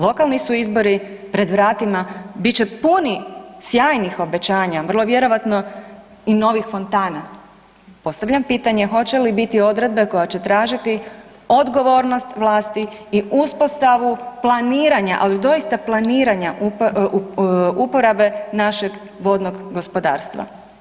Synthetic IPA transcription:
lˠo̞kalˠnisuizbo̞ɾi | pɾe̞d̪ʋɾaːt̪imabit͡ɕepunisjaːjnixo̞be̞t͡ɕaːɲaʋrlˠoʋjeɾo̞ʋat̪no̞ | ino̞ʋixfo̞nt̪aːna | po̞st̪aʋʎampiːt̪aɲe̞xo̞t͡ɕe̞libit̪io̞d̪ɾe̞d̪̚be̞ko̞jat͡ɕe̞t̪ɾaːʒit̪i | o̞d̪ɡo̞ʋo̞ːɾno̞st̪ʋlˠaːst̪iiʔuspo̞st̪aʋuplˠaniːɾaɲaʔalid̪o̞ist̪aplˠaniːɾaɲaʔ | upo̞ɾabe̞naʃe̞ɡ | ʋo̞d̪no̞ɡɡospo̞d̪a̰ːɾst̪ʋa̰

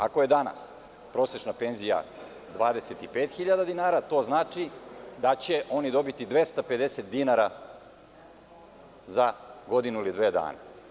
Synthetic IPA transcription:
ako̞jed̪ana̰s | pɾo̞ːse̞t͡ʃnape̞nzija̰ | d̪ʋaːd̪e̞set̪ipe̞ːt̪xiʎad̪ad̪inaːɾat̪o̞ːznaːt͡ʃid̪at͡ɕe̞ʔo̞nid̪o̞bit̪id̪ʋe̞st̪ape̞d̪e̞set̪̚d̪inaɾa | zaɡo̞d̪inuilid̪ʋeːd̪a̰ːna̰

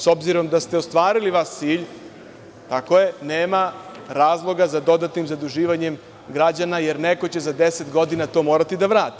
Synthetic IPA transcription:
so̞bziɾo̞md̪ast̪eo̞st̪ʋaːɾiliʋast̪siːʎ | t̪ako̞je̞neːmaɾaːzlˠo̞ɡazad̪o̞d̪at̪nimzad̪uʒiːʋaɲem | ɡɾad͡ʑanajeɾnekot͡ɕe̞zad̪eset̪ɡo̞d̪inat̪o̞ːmo̞ːɾat̪id̪aʋɾaːt̪i̥

